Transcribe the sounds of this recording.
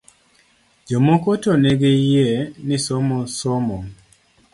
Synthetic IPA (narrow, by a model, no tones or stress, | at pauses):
d͡ʒomokotoneɡejenisomɔsomɔ